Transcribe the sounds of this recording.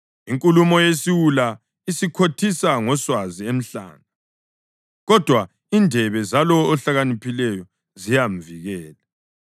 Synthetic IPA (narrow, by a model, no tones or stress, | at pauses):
iŋkʼulumɔjesiwula | isikʰotʰisaŋɔswaziem̩ɬa̰ːna | ɣɔd̥ʱwa | indʱɛβɛzalɔːɬaɣanipʰilɛjɔ | zijaɱviɣɛːla